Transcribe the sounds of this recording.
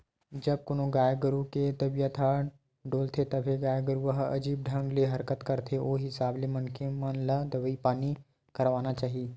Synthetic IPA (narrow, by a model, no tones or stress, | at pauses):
d͡ʒɐb̚kʊnõɡaːjəɡəɾuket̪ɐbijət̪ʰa | ɖoːlt̪ʰet̪ɐbʱeɡaːjəɡəɾuʋɐɦɐ̰d͡ʒiːb̚ɖʱɐ̃ŋɡleɦɐɾkət̪kɐɾt̪ʰeoːɦɪsaːblemɐnkʰemənləd̪ɐʋəipaːni | kɐɾʋaːnat͡ʃaːɦieː